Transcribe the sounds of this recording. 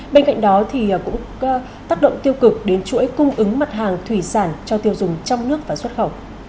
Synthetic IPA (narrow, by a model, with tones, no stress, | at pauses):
ɓe˧nka̰˧˨jŋ̟ɗɔ˨˦t̪ʰi˨˩˨kʊ̰˧˥ŋ͡m | t̪aː˦˥k̚ɗə̰˧˨ŋ͡mt̪i˧əwkɨ˨˩k̚ɗe˨˦nt͡ɕṵ˧˥˦jkʊ˧ŋ͡mʔɨ˨˦ŋma˨˩t̚ɦaː˨˩ŋt̪ʰwi˧˩saː˧˩nt͡ɕɔ˧t̪i˧əwzʊ˨˩ŋ͡mt͡ɕɔ˧wŋ͡mnɨ˦˥ək̚vaː˨˩swə˦˥t̚xə˧˩w